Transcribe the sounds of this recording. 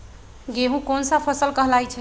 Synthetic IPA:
ɡeɦũkonsapʰəsəlkəɦlajt͡ʃʰɛ

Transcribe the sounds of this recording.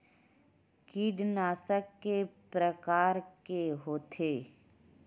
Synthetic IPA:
kiɖnaːsəkːepɾəkaːɾkeɦoːt̪ʰeː

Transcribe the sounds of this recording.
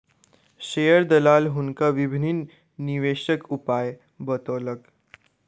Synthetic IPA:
ɕejəɾd̪əlalɦunkaʋibʱininː | iʋeɕəkupaj | bət̪olək

